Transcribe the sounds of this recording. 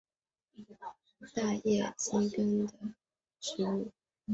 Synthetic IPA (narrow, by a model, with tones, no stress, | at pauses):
t̪a˥˧jɛ˥˩t͡ɕi˥ŋkə˥nd̪ə˨ | ʈ͡ʂɻ̩˥u˥˩